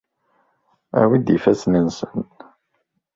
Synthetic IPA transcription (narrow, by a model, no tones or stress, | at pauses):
æ̰wid̪ifæsnənsən